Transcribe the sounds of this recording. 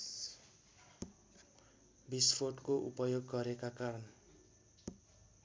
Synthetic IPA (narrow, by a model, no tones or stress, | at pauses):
bispʰoʈkoʔupʌjoɡːʌɾekakaɾʌn